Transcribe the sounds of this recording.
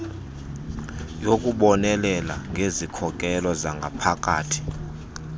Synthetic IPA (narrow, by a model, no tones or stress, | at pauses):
jokʼuɓɔnɛlɛla̰ŋɡʱezikʰɔkʼɛlɔzaŋɡʱapʰakʼa̰ːtʰi̥